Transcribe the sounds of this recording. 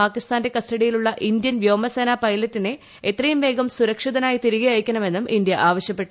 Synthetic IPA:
aːkːist̪aːnde̞kɐstɐɽijiluɭːɐʔind̪jɐnʋjo̞ːmɐseːnaːpɐjlɐtːine̞ | et̪rɐjumʋe̞ːɡɐmsuɾɐkʂiðɐnaːjit̪iɾiɣɐɐjkʲːɐnɳɐme̞nːumʔind̪jɐʔaːʋɐɕjɐpːe̞ʈːu

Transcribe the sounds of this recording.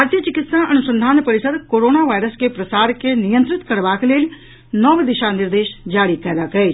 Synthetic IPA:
bʱaːɾt̪ijət͡ʃɪkɪt̪saʔɐnʊsə̃nd̪ʱaːnpɐɾɪsəd̪koːɾoːnaʋaːjɾəskepɾɐsaːɾkenijə̃nt̪ɾɪt̪kɐɾʋaːkleːɽ | nɔːʋd̪ɪʃanɪɾd̪eːʃd͡ʒaːɽikɛːd̪akɐeː

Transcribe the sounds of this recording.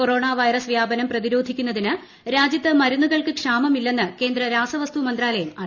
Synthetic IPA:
ko̞ro̞ːɳaːʋɐjrɐsʋjaːbɐnɐmprɐðiɾo̞ːd̪ʱikʲːunːɐðinɨ | ɾaːd͡ʑjɐt̪ːɐmɐɾunːuɣɐɭkɨkʂaːmɐmilːe̞nːɨke̞ːnd̪ɾɐɾaːsɐʋɐst̪umɐnd̪raːlɐjumɐ

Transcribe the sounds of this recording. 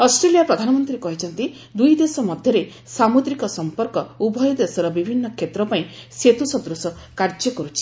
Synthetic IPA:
ɔsʈɾelijapɾɔd̪ʱanɔmɔnt̪ɾikɔɦit͡ʃʰɔnt̪i | d̪ujd̪esɔmɔd̪ʱjɔɾe | samud̪ɾikɔsɔmpɔɾkɔubʱɔjɔd̪esɔɾɔbibʱinːɔkʰjet̪ɾɔpaĩset̪usɔd̪ɾusɔkaɾd͡ʒɔkɔɾut͡ʃʰi̥

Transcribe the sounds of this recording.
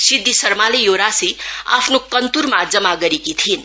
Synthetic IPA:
sid̪ʱːisʌrmalejoɾasia̰pʰnokʌnt̪uɾmad͡zʌmaɡʌɾekit̪ʰin

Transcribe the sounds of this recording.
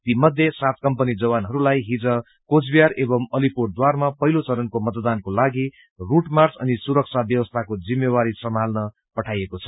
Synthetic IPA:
t̪imʌd̪ʱjesat̪̚kʌmpʌnid͡zʌbanɦʌɾulajɦid͡zʌ | kod͡zbijaɾebʌmʌlipurd̪warmapʌɦilot͡sʌɾʌnkomʌt̪d̪ankolaɡi | ruʈmarsʌ̰nisuɾʌk̚t͡sʰabjʌwʌst̪ʰakod͡zimjeβaɾisʌmalnʌ | pʌʈʰajekot͡sʰʌ̥

